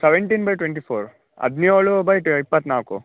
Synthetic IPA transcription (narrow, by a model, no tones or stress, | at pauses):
seʋeɳʈinbɐjʈwẽɳʈ̬ipʰoːɾ | ɐ̰d̪nioːɭubɐjʈipːɐt̪ːnaːkṵ